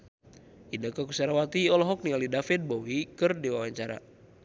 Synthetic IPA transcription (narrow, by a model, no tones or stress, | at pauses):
ʔindəkəkusaɾawat̪iɔlɔɦɔk̚nialidafɪt̪̚boɦikɨrdiwawaɲt͡ʃaɾa̰